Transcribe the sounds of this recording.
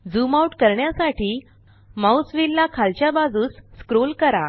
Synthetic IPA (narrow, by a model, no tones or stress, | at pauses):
d͡zumauʈkəɾɳjasaʈʰiː | mawsʋilːakʰalt͡ɕjabad͡zuːsːkɾolkəɾa